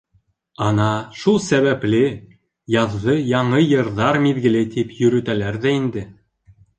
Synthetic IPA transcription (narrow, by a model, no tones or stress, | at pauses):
ɑnɑʃulˠsæβæplɘ | jɑðʁɤjɑɴɤjɤ̆ɾðɑɾmiðɡɘ̆lɘt̪ipjɵ̆ɾʉ̆t̪ælæɾðæind̪ɘ